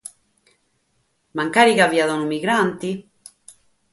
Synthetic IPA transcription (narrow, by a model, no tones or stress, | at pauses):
maŋkaːɾiɣaviaðɔnumiɣɾant̪i